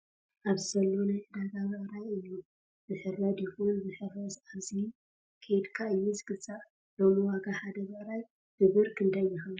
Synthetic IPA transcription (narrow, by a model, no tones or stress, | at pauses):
ʔaβzɨzɐlːonajʔɨd̪aɡaβɐʔɾajɨjːu | bɨħɨɾɐd̪jɪxonbɨħɨɾɐzaβzin | kʰed̪kʰaɨjːuzɨɡɨt͡sʼːaʔ | lomɨwaɡaħad̪ɐβɐʔɾaj | hɨβɨɾkʰɨnd̪ajːɪxɨ